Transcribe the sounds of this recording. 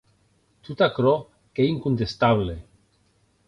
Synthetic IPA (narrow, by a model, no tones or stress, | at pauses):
t̪ut̪akɾo | keiŋkunt̪est̪aβle